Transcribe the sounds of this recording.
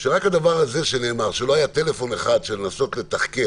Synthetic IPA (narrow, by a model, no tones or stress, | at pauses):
ʃeʁakhad̪avaʁaze̞ʃene̞ːmaʁʃelo̞ajat̪e̞le̞fo̞neχad̪ʃelenaso̞t̪le̞t̪aχke